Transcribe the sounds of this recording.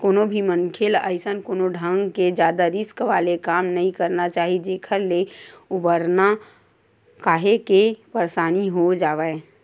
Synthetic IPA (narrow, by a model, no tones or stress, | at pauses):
koːnobʱimənkʰɪlə̰ɪsənkoːnoɖʱə̃ŋɡked͡ʒjaːd̪aɾɪskʋaːlekaːmnɐɦĩkɐɾnat͡ʃaːɦid͡ʒeːkʰəɾleʊbəɾna | kaːɦekepəɾsaːniɦod͡ʒaːʋe